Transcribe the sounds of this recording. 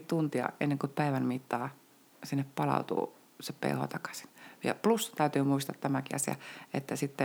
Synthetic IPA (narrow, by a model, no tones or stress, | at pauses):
t̪unt̪iɑ̰ʔenːeŋkupæiʋænmit̪ːɑː | sinːeppɑlɑ̰ut̪ṵː | seppḛiho̰t̪ɑkɑ̥si̥nʋjɑ̰plust̪æyt̪yːmuist̪ɑ̰t̪tæmækiɑsiɑ̰et̪ːæsit̪ːe